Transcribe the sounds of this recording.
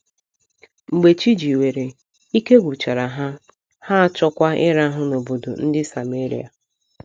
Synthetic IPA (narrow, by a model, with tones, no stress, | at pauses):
ŋ͡m̩˨ɡ͡be˨t͡ʃi˦d͡ʒi˨we˨ɾe˨ | i˦ke˦ɡʷu˨t͡ʃa˨ɾa˨ɦa˦ | ha˦a˦t͡ʃɔ˦kʷa˦ɪ˦ɾa˦ɦʊ˦no˨bo˨do̰˨n̩˦dɪ˦sa˨me˦ɾḭ˦a̰˨